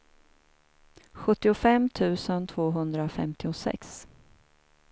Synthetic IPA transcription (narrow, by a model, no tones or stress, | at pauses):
ɧɵt̪ːɪʊfɛmːt̪ʰʉ̟ːsənt̪ʰv̥oːɦɵnd̪ɾafɛ̰mt̪ɪʊsɛ̰ks